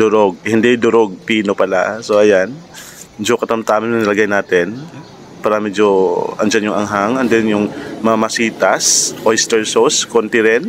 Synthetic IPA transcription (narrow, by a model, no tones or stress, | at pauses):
d̪ʊɾoɡ̚hɪnd̪ɛd̪ʊɾoɡ̚piːnopɐla̰soʔɐjan | d͡ʒokɐt̪ɐmt̪aːmɐnɐŋnɐlɐɡajnaːt̪ɛn | paːɾɐmɛːd͡ʒoʔɐnd͡ʒanjʊŋɐŋɦaŋʔɐnd̪ɛnjʊŋmɐŋamɐsiːt̪asʔojst̪ɛɹsoskont̪ɪɾɛn